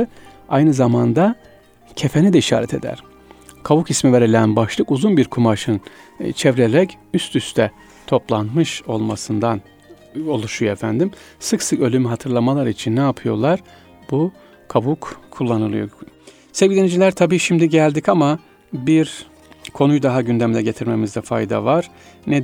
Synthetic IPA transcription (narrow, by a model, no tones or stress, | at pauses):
ajnɯzamand̪a | cʰe̞fenid̪ɛiʃa̰ːɾɛt̪ʰe̞̰d̪æ̰ɾ̥ | kʰabukismive̞ɾilʲænbaʃlˠɯkuzunbiɾkʰumaʃɯnt͡ʃʰevɾeɾɛc | yst̪ʰyst̪ʰɛ | t̪ʰo̞plˠanmɯʃo̞lˠmasɯnd̪an | o̞lˠuʃujoefænd̪im | sɯksɯkø̞lʲymyɦat̪ʰɯɾlˠamalˠaɾit͡ʃʰinːɛapʰɯjo̞̰lˠaɾ̥ | bu | kʰaβukkʰːulˠːanɯlˠɯ̰jo̞̰ | sevɟid̪ʲenid͡ʒilʲæɾt̪ʰabiːʃimd̪iɟælʲd̪icama | biɾ | kʰo̞nujd̪aɦaɟynd̪emlʲɛɟe̞t̪ʰiɾme̞mizd̪ɛfa̰jd̪a̰vaɾ̥ | nɛ